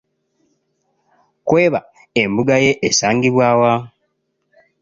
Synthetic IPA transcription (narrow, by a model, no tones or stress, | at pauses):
kwe̞ːβa | embuɡaje̞ʔesaːŋɡiβwaːwa